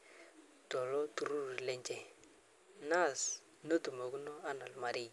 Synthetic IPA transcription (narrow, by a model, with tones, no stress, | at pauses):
to˨lo˦tu˨ɾu˦ɾi˨le˦ɲt͡ʃe˦ | na˦˨s | nə˦tu˨mo˨ku˦no˦a˦na˨lma˨ɾi˦˨